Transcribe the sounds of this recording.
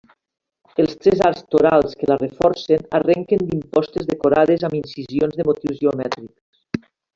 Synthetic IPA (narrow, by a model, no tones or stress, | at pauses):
elˠst̪ɾɛzaɾst̪oɾalˠskəlarefɔɾsenarɛŋkend̪impɔst̪ezðekoɾaðezaminsizionzðemot̪iwzʒeomɛt̪ɾiks